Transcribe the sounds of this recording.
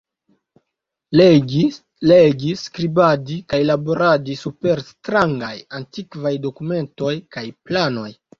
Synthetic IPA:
leɡi | leɡiskɾibadikajlaboɾadisupe̞ɾstɾaŋɡa̰jantikvajdo̞kume̞nto̞jkajplano̞j

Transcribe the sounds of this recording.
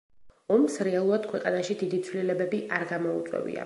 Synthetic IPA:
ɔmsɾɛalˠuɾad̪̥̚kʰwɛqʼanaʃid̪id̪it̪sʰwlilɛbɛbiʔaɾɡamɔṵt̪sʼwɛ̰vḭa̰

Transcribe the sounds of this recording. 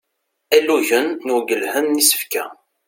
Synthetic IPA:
æluʝənːuɡəlhənːisə̥fkæ̰

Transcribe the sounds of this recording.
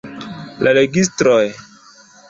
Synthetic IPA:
lʔaleɡis̬tɾoj

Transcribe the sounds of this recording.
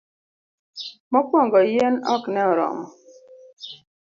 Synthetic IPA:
mɔkwɔŋɡɔjenɔknɛɔɾɔ̰mɔ

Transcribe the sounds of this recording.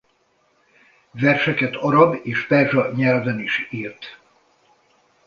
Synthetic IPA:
vɛrʃɛkɛt̪ʰɒɾɒbeːʃpɛrʒɒɲɛlvɛniʃiːrt̪

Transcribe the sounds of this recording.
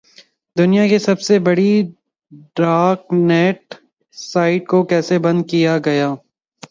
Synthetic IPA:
d̪ʊnijãkesɐbsebɐɽi | ɖɾaːknɛːʈ | saːɪʈkokɛːsebɐ̃nd̪̚kijaɡɐjaː

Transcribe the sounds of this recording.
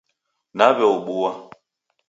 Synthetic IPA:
naβɛoɓuwa

